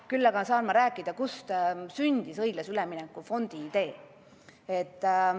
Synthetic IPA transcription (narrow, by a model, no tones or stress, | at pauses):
kylːɑɡ̥ɑsɑːnmɑɾæːkːˑid̪̥ɑkust̪synd̪̥isɤjɡ̥lɑsylɛminɛkːˑufo̞nd̪̥iːd̪̥e̞ː | et̪ːˑ